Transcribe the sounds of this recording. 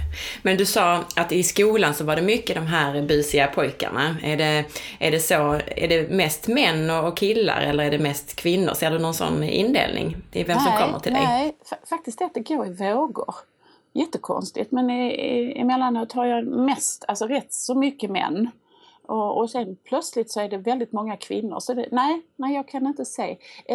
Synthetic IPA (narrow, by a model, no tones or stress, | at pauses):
mɛnd̪ɵsɑːat̪ɪskuːlansɔvaɖɛmʏkːəd̪ɔmɦæːɾbʉːsɪɡapʰɔjka̰ɳaæɖɛʔæɖɛsoæ̰ɖɛmɛst̪mɛnːɔɔkʰːɪlːa̰ɾɛlːəɾæɖɛmɛst̪kʰvɪnːʊ̰ɾseːɖɵnɔnsɔ̰nːɪ̰nd̪ḛːlnʔɪ̰ŋvɛmsɔmkɔmːə̰ʈʰɪlɛ̰jæffak̚t̪ɪst̪ɛat̪̚d̪ɛɡoːɾɪvoːɡʊ̰ɾ | jɛt̪ːəkʰɔ̰nst̪ɪ̰t̪mɛnɪɪɪ̰mɛlːanʉːt̪haɾjɑmɛst̪ʰalsɔɾɛt̪ːsɔmʏkːəmɛ̰nː | ʔɔɔsɛnpʰlœt̪slɪt̪sɔæɖɛvɛld̪ɪt̪mɔŋːakʰv̥ɪ̰nːʊ̰ɾʂɔd̪ɛnæɪnæɪjɑːɡkʰanɪnt̪əsɛː